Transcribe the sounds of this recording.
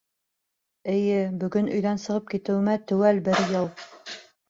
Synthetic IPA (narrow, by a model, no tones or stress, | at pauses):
ɘ̆jɘbɵ̆ɡɵnɵ̆jðænsɤ̆ʁɤp̚kit̪ɘ̆wɘ̆mæt̪ʉ̆wælbɘɾjɤlˠ